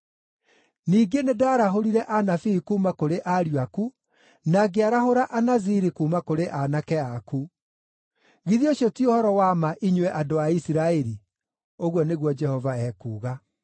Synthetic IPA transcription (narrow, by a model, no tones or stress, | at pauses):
niːɡenedaːɾaɦoɾiɾɛʔanafiikuːmakoɾeʔaɾiwaku | naɡeaɾaɦoɾaʔanaziɾikuːmakoɾeʔanakɛaku | ɣiðioɕjotiohɔɾɔwamaʔiɲwɛʔadoaisiɾaɛɾi | oɣwɔneɣwɔd͡ʒɛhɔvaɛːkuːɣa